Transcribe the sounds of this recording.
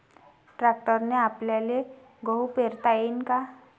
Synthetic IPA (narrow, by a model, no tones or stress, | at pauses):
ʈɾak̚ʈəɾneapljale | ɡəupeɾt̪ajenka